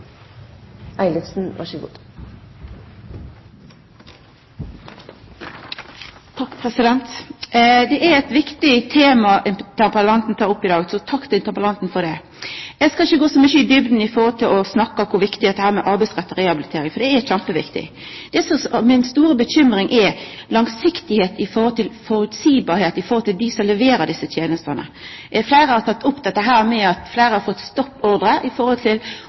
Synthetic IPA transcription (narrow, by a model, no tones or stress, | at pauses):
ʔæɪlɪt̪sn̩ʋæ̰ʃəɡṵːd̪ | t̪ʰɑkːpʰʁɛsɪd̪ɛnt̪ | d̪ɛʔæɛt̪ʋɪkt̪ɪt̪ʰeːmɑʔɪnt̪ʰæpəlɑnt̪n̩t̪ʰɑːɾʊpːɪd̪ɑːɡsɔt̪ʰɑkt̪ɪnt̪əʁpəlɑnt̪n̩fɔd̪ɛ | ɛɡskɑlɪçːəɡoːsɔmyçəɪd̪ʏbd̪n̩ɪfɔʁhɔlt̪ʰɪlʔɔsnɑkːɑkʰʊɾʋɪkt̪ɪd̪ɛt̪ːəhæːɾmɛʔɑɾbæɪsʁæt̪ːɔɾɛhɑbɪlɪt̪ʰeːɾɪŋfɔd̪ɛɛçæmpəʋɪ̰kt̪ɪ̰ | d̪̥ɛsɔsmɪnst̪uːɾəbəɕʏmɾɪŋʔɛlɑŋsɪkt̪ɪheːt̪ɪfɔɾhɔlt̪ʰɪlfɔɾʉt̪siːbɑːɾheːt̪ɪfɔɾhɔlt̪ʰɪld̪ɪsɔlɛʋeːɾəd̪ɪsːət̪ʰjeːnəst̪ənə̰ | ɛflæɪɾəhɑɾt̪ʰɑt̪ːʊpːd̪ɛt̪ːəɦæːɾmɛɑt̪flæɪɾəhɑɾfɔt̪ːst̪ɔpːɔɾd̪ɾəʔɪfɔɾhɔlt̪ʰɪl